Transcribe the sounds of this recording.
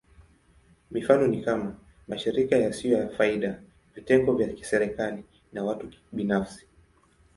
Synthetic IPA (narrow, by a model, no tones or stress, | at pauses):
mifanɔnikama | maʃiɾikajasijɔjafaiɗa | vitɛŋɡɔvjaki̥sɛɾɛkali | nawatuɓinafsi̥